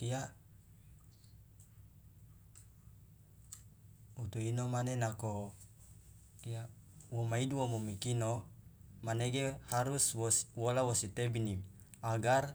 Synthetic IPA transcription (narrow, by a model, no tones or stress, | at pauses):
t̪iaʔ | ut̪uinomanenako | t̪iaʔ | womaiduwomomikino | maneɡehaɾuswoswolawosit̪ebinim | aɡar